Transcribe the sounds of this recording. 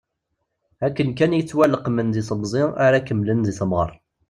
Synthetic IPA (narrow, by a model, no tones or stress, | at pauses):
ækːənk̬ænjət͡sːwælːəqmənðisəmzˤɪaɾakəmːlənðiθəmʁə̰ɾˤ